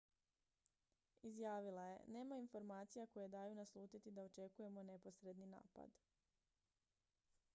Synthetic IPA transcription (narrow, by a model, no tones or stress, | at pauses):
izjaːʋilˠaje̞̰ne̞ːmainfo̞ɾmaːt̪sijako̞je̞d̪aːjunaslˠuːt̪it̪id̪ao̞t͡ʃe̞kuje̞mo̞ne̞po̞sɾe̞d̪nina̰ːpa̰d̪